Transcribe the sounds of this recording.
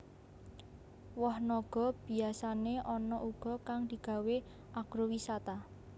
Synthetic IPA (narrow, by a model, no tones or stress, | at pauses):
wɔhnɔɡ̥ɔ̤b̥i̤asaneʔɔnɔʔuɡ̥ɔ̤kaŋd̪̥i̤ɡ̥a̤we | ʔaɡ̥ɾowisat̪a